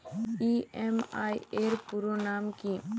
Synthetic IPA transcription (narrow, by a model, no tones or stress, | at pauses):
iema̰jeɾpuɾonaːmki